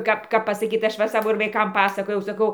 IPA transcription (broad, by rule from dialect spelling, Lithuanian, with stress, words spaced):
ˈkɐp ˈkɐp ˈkɐp pɐsɐˈkʲiːt ˈɐʃ ˈʋɐ ɪr ˈsɑːʋoː ʋɐɪˈkɐm pɐsɐˈkoːjɛʊ sɐˈkɐʊ